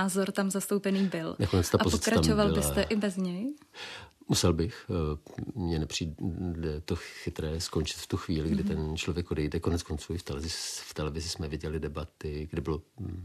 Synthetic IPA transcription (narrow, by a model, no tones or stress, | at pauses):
aːzoɾt̪amzast̪owpɛniːbɪlnakonɛt͡st̪apozpoɪt͡sɛkɾaat͡ʃmovalɪlɪsɛʔɪbɛzɲɛj | musɛlbɪx | mɲɛnɛpr̝̥iːdɛt̪oxɪt̪ɾɛːsko̞nt͡ʃɪt̪ft̪uxviːlɪɡdɪt̪ɛnt͡ʃlovjɛkʔodɛjdɛko̞nɛt͡skont͡suːɪft̪ɛlɛzɪft̪ɛlɛvɪzɪsmɛvɪɟɛlɪdɛbat̪ɪɡdɪbɪlo